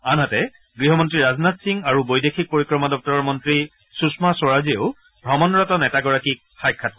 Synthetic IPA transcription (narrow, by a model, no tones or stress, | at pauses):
anɦatɛ | ɡɹiɦɔmɔntɹiɹaznatsiŋaɹubojdexʰik̚poɹikɹɔmadɔk̚tɔɹɔmɔntɹi | susmasɔɹazieʊ | bʱɹɔmɔnɹɔtɔnɛtaɡɔɹakik̚xajkʰːat̚